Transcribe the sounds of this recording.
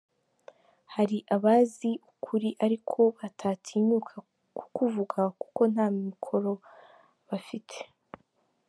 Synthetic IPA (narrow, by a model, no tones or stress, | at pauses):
haɾiʔaβaːziʔukʰuɾiʔaɾikʰo̞βatʰatʰiːɲuːkʰa | ku̥kuvuɡaku̥ko̞nhaːmimikʰo̞ɾo̞ | βafitʰe̥